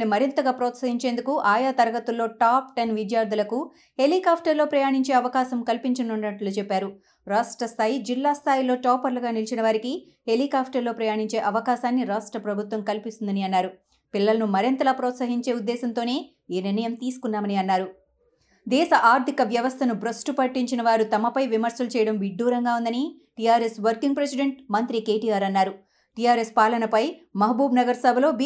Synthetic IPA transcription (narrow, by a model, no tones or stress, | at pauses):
nimɐɾint̪ɐɡaːpɾɔːt̪sɐɦiɲt͡ʃe̞ːnd̪ukuʔaːjaːt̪ɐɾɐɡɐt̪ulːo̞ːʈaːpʈenʋid̪jaːɾd̪ʱɐlɐku | helikaːpʰʈɐɾloːpɾɐjaːɳiɲt͡ʃe̞ːɐʋɐkaːʃɐmkɐlpiɲt͡ʃɐnuɳɖnɐʈloːt͡ʃɛpːaːɾu | ɾaːʂʈɾɐst̪ʰaːjid͡ʒilːaːst̪ʰaːjilo̞ːʈɔːpɐɾlɐɡaːnilt͡ʃinɐʋaːɾiki | ɦeliːkaːpʰʈɐɾlo̞ːpɾɐjaːɳiɲt͡ʃe̞ːʔɐʋɐkaːʃaːnːiɾaːsʈɾɐpɾɐbʱut̪ʋɐmkɐlpist̪und̪ɐniɐnːaːɾu | pilːɐlɐnumɐɾint̪ɐlaːpɾɔːt̪sɐɦiɲt͡ʃe̞ːud̪ːɛːsɐnt̪oːne̞ː | iniɾnɐjɐmt̪iːsu̥kunːaːmɐniɐnːaːɾu | d̪ɛːʃɐʔaːɾt̪ikɐʋjɐʋɐst̪ʰɐnubɾɐsʈupɐʈːiɲt͡ʃinɐʋaːɾut̪ɐmɐpɐjʋimɐɾsɐlut͡ʃɛːjɐɽɐmʋiɖːuːɾɐŋɡaːund̪ɐni | ʈijaːɾesʋɐɾkiŋɡpɾesiɖe̞ɳʈ̚mɐnt̪ɾikeːʈijaːɾɐnːaːɾu | ʈijaːɾespaːlɐnɐpɐjmɐɦɐbuːbnɐɡɐɾsɐbʱɐlo̞ːb